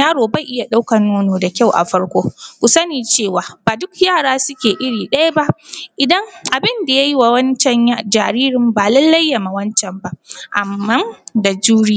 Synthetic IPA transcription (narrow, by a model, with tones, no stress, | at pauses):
aː˦ɽoː˨bɐ˦˨ʔɪ˦ja˨ɗa˦wkɐ˨nːoː˦noː˨da˨kʲa˦˨wʔa̰˨ɸɐ˦ɽkʷoː˦kʷu˨sɐ˦niː˨t͡ʃeː˦˨waː˨baː˨dʊ˦kjaː˦˨ɽaː˦sʊ˦kʲeː˨ʔɪ˦ɽiː˨ɗɐ˦ja˦ba˦ʔʔɪ˨dɐ˦ŋʔa˨bɪ˦nda˨ja˦ji˦wa˨wɐ˦nt͡ʃɛ˨ɲ˨d͡ʒaː˨ɾiː˦ɾɪ˦mbaː˨lɐ˦lːa˦jːa˨ma˨wɐ˦nt͡ʃɛ˨mba˦ʔa̰˨mːɐ˦nda˨d͡ʒuː˦ɽi˦